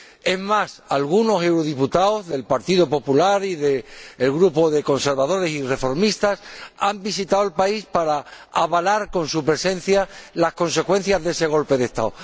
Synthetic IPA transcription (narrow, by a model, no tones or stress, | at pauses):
e̞mmasalɣ̞uno̞se̞wɾoðiput̪aozðe̞lpaɾt̪iðopo̞pulaɾiðe̞ːlɣɾupo̞ðe̞ko̞nse̞ɾβað̞o̞ɾe̞sire̞fo̞ɾmist̪asambisit̪awe̞lpaispaɾaaβalaɾko̞nsupɾe̞sẽ̞n̟θjalasko̞nse̞kwe̞n̟θjazðe̞se̞ɣ̞o̞lpe̞ðe̞st̪a̰o